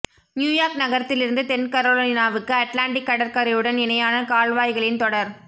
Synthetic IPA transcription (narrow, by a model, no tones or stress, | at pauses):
njuːjaːɾknɐɣɐɾɐt̪ːɪlɪɾɯnd̪ɯt̪ɛnkɐɾoːlonɪnaːʋɯkːɯɐʈlaːɳɖɪkːɐɽɐɾkɐɾɐjɯɽɐnɪnɐjaːnɐkaːɭʋaːjɣɐɭɪnt̪ɔɽɐɾ